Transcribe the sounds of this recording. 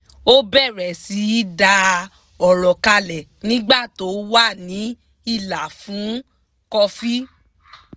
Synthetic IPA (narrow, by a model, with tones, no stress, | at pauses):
o˦bɛ˦˨ɾɛ˨si˨˦i˦da˧ | ɔ˨ɾɔ˨ka˧lɛ˨nĩ˦ɡ͡ba˦˨to˨˦wa˦˨nĩ˨˦ | i˦˧˨la˨fũ˨˦ | kɔ˧fi˦